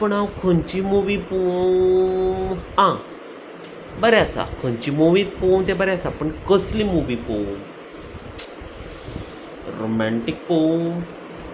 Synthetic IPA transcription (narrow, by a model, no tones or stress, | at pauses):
pəɳaːũkʰənt͡ʃiːmuːʋiːpu | ãː | bəɾasa̰kʰəɲt͡ʃimuːʋiːt̪̚poːmt̪ebəɾasaːpəɳkəslimuːʋiːpo | ɾo̰ːmɛ̃ɳʈɪk̚poː